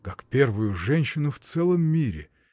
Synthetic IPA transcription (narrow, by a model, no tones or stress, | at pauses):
kakpʲervʊjʊʐɛnʲɕːɪnʊft̪sɛlˠəmːʲiɾʲɪ̰